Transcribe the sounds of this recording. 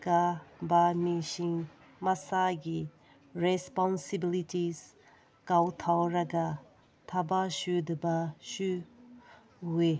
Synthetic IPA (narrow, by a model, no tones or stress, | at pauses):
kabamiʃiŋ | masaɡi | ɹɛspɔnsibilitiz | kawt̪ʰawɾaɡa | t̪ʰabaʃud̪əbaʃu | we